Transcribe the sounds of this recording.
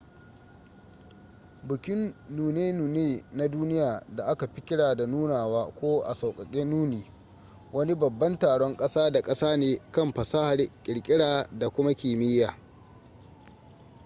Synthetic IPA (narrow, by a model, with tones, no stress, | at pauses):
bʊ˨kʲɪ˦nːuː˨neː˦nuː˨neː˦na˦duː˦nɪ˦jaː˨da˨ʔa˦ka˨ɸi˦kʲɪ˦ɽaː˨da˨nuː˦naː˨waː˦kʷoː˦ʔa̰˨sa˨wkʼɐ˨kʲʼeː˦nuː˦niː˨ | wɐ˦ni˦bɐ˨bːɐ˦ntaː˨ɽɔ˦ŋkʼɐ˦saː˦da˨kʼɐ˦saː˦neː˨kɐ˦˨mɸɐ˨saː˦ha˨rkʲʼɪ˨ɽkʲʼɪ˦ɽaː˨da˨kʷʊ˦ma˦kʲiː˨mɪ˦jaː˨